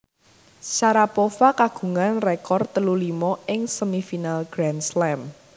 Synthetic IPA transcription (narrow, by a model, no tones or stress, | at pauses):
saɾapofakaɡ̥ṳŋanrekɔrt̪əlulimɔɪŋsəmifinalɡ̥ɾanslɛm